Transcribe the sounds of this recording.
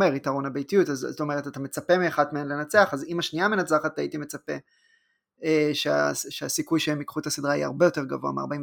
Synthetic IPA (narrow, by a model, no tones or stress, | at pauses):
eʁitaʁo̞nabe̞jtijutazoto̞me̞ʁetatame̞t͡sape̞miaχadmeenle̞nat͡seaχazimaʃniame̞nat͡saχataitime̞t͡sape̞ | eʃea̰ʃeasikujʃemikχuthasidʁaia̰ʁbejo̞te̞ʁɡavoa̰mea̰ʁbaĩ